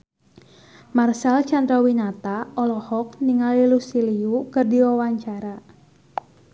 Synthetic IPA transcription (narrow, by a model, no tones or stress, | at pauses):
marsalt͡ʃand̪ɾawinat̪aɔlɔhɔk̚niŋalilusiliukərdiwawaɲt͡ʃaɾa